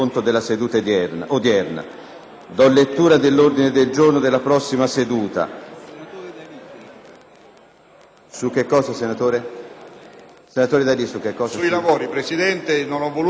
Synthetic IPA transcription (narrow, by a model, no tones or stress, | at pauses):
ont̪od̪elːased̪uːt̪ad̪ɛʔod̪jɛrna̰ | d̪ɔlːet̪ːuːɾad̪elːord̪ined̪eld͡ʒornod̪elːapɾɔsːimased̪uːt̪a̰ | suk̟ːekːɔːsasenat̪oːɾe | senat̪oːɾed̪alisukːekːɔːssauilavoːɾipɾesid̪ɛnt̪enonɔvol